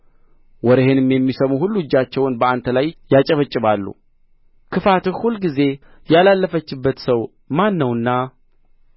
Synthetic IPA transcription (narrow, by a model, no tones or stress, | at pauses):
wɔɾeɦenɨmjɛmːisəmuhulːud͡ʒːat͡ʃːɛwnbəant̪ʰəlajjat͡ʃʼəβət͡ʃʼːɪβalːṵ | kʰɨfat̪ɨxhulːɡize̞ | jalalːəfət͡ʃːɪbːət̪səw | manːəwɨnːa